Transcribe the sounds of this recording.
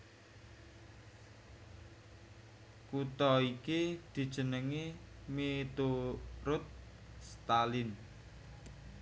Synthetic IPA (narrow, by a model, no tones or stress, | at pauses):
kut̪ɔikid̪̥i̤d̥ʒ̥ə̤nəŋimet̪uɾʊt̪̚ | st̪alɪn